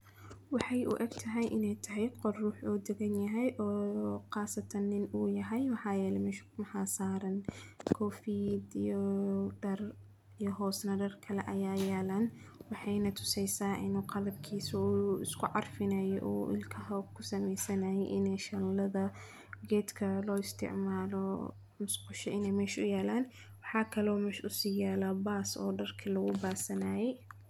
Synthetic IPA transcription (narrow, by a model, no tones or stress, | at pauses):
wɑħɑjʔʊ̰ʔɛɡt̪ʰɐɦɛjʔɪnɛjt̪ʰɐɦɛjqɔrruːħɔːd̪ɛɣɐnjɐɦɛjʔɔːqɑːsɐt̪ʰɐnːɪnuːjɐɦɛjmɑħɑːjɛːlɛmɪʃmɐħaːsaːɾɐnkʰɔːfiːd̪ijɔɖɐr | ijɔɦɔːsnɐɖɐrkʰɐlɛʔɐjaːjaːlɐnwɑħɑjnɐt̪ʰʊ̥sɛjsaːʔɪ̰nuːqɑlɐb̚kʰiːsʊɪskʰʊʕɑrfɪnɐjɔʔɔːʔɪ̰lkʰɐɦɐkʰʊsɐmɛjsɐnaːjɛjʔɪnɛjʃɐllɐðɐ | ɡɛːd̪kʰɐlɔːɪst̪ʰɪ̰ʕmaːlɔ | mʊsqʊʃɐɪnɛjmɛːʃʊjɛːlaːn | wɑħɑːkʰɐlɔːmɛːʃʊsiːjɛːlabaːsɔ̰ːɖɐrkʰilɐɣʊbaːsɐnaːjɛj